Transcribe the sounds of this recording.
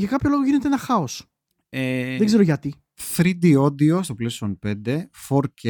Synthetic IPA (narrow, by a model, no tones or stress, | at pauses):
ʝɐkɐpço̞lo̞ɣoʝine̞t̪eenɐxɐos | eðeɡzeɾoʝɐt̪i | θɾid̪io̞d̪iost̪o̞plesi̥onpe̞nd̪e̞foɾce